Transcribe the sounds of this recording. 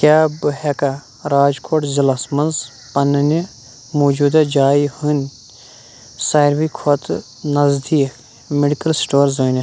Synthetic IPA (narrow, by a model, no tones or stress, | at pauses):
kʲjaːbɨɦeka | ɾaːd͡ʒkʰoːʈzɐlɐsmɐnz | pɐnɐni | moːd͡ʒuːd̪ad͡ʒaːjhunʲ | sajɾʋikʰot̪ | nɐzd̪iːk | meɖikɐlsʈoːɾzoni